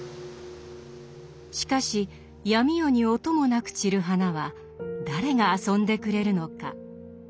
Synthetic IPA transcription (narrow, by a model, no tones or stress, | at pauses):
ɕi̥kaɕi | jamʲijo̞ɲ̟io̞t̪o̞mo̞nakɯ̟̥t͡ɕiɾɯ̟ɦanaβa | d̪aɾe̞ŋaːsõ̞nd̪e̞kɯ̟ɾe̞ɾɯ̟no̞ka̰